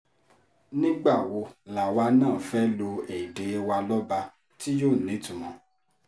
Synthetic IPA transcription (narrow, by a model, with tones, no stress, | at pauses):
nĩ˦ɡ͡ba˦˨wo˧˦la˨wa˧˦nãː˦˨fɛ˦lo˧e˨i˨de˨˦˧wa˧lɔ˦ba˧ | ti˦joː˦˨nĩ˨˦tũ˨mɔ̃˨˧